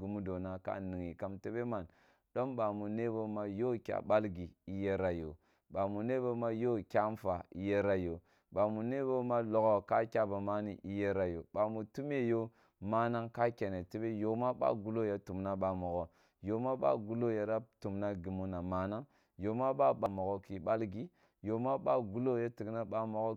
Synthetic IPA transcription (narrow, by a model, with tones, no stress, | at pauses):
ɡu˨mu˦do˨na˨ka̰˦ni˨ŋi˨ka˦mte˦be˦ma˨n | do˦mba˨mu˨ne˦bo˦ma˦jo˦kʲa̰˨ba˦lɡi˨i˨je˦ɾa˨jo˨ | ba˨mu˨ne˦bo˦ma˦jo˦˨kʲa˦m˦fa˨i˨je˦ɾa˨jo˨ | ba˨mu˨ne˦bo˦ma˦lo˨ɡo˨ka˦kʲa˦ba˨ma˦ni˦˨ʔi˨je˦ɾa˨jo˨ba˨mu˨tu˦m˦e˦jo˦ | ma˦na˦ŋka˦kʲa˨ne˨ti˦be˦jo˨ma˦ɓa̰˦ɡu˨lo˦ja˦tu˨mna˦ɓa˨mo˨ɡo˨ | jo˨ma˦ɓa̰˦ɡu˨lo˦ja˨ɾa˦tu˨mna˦ɡi˨mu˦na˨ma˨na˦ŋ | jo˨ma˦ɓa˦ɓa˨mo˨ɡo˦ki˨ɓa˦lɡi˨ | jo˨ma˦ɓa˦ɡu˨˦lo˦ja˦ti˨ɡna˦ɓa˦mo˨ɡo˦